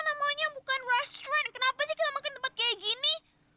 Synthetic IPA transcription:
namaɲabukanrɛstɾãn̚kənapad͡ʒikit̪amakənt̪pat̪̚keɡini

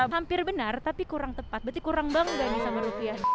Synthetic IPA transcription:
ɦampɪrbənart̪apikuɾaŋt̪əpat̪̚bərt̪ikuɾaŋbaŋɡamisaməɾupiah

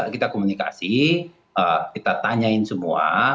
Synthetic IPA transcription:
kit̪akomunika̰si | əkit̪at̪aɲaɪnsəmua̰

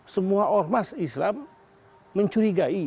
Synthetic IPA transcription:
səmuaʔɔrmasislamː | əɲt͡ʃuɾiɡai

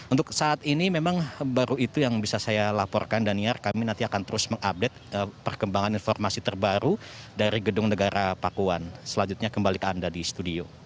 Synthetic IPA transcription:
unt̪ʊk̚saːt̪inimemaŋbaɾuit̪ujaŋbisasajalapɔ̰rkandaniarkaminant̪iakant̪əɾʊsməŋap̚det̪̚əpərkəmbaŋaninfɔrmasit̪ərbaɾudaɾiɡədʊŋnəɡaɾapakuansəlaɲd͡ʒut̪̚ɲakəmbalikəandadisə̥t̪udio

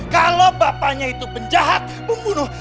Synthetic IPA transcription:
kalobapaɲait̪upəɲd͡ʒaɦat̪̚məmbunʊ

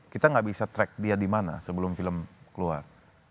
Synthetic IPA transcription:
kit̪aŋɡaʔbisat̪ɾɛk̚diadimana̰səbəlʊmfiləmkəlua̰r

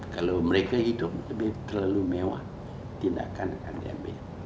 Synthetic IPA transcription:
kalowməɾekaɦidʊp̚səbɪt̪ərlalumewa̰ʔ | t̪inda̰kankandḭa̰mbɪ̰l

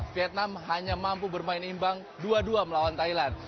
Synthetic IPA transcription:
fiɛt̪̚namɦaɲamampubərmaɪnimbaŋ | duaduaməlawant̪ailan

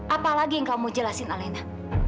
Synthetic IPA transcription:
ʔapalaɡijaŋkamud͡ʒəlasɪnalɛna

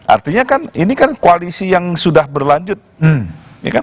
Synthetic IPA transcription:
ʔa̰rt̪iɲakaninikankoalisijaŋsudahbərlaɲd͡ʒʊt̪̚m̩ja̰kan

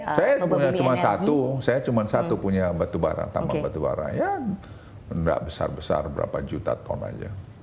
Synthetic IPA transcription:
sajapuɲat͡ʃumansat̪usajat͡ʃumansat̪upuɲabat̪ubaɾa̰ŋt̪ambabat̪uba̰ɾa̰ŋja | ənda̰ʔbəsa̰rbəsa̰rbəɾa̰pad͡ʒut̪at̪ɔna̰d͡ʒa

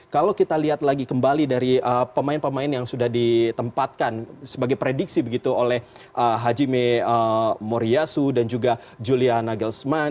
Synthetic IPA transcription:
kalawkit̪aliɦat̪laɡikəmbalidaɾiəpəmaɪnpəmaɪnjaŋsudahdit̪əmpat̪̚kansəbaɡajpɾedik̚sibəɡit̪uolɛh | ʔəɦad͡ʒimeəmoɾiasudand͡ʒuɡa | d͡ʒulianaɡəlsma

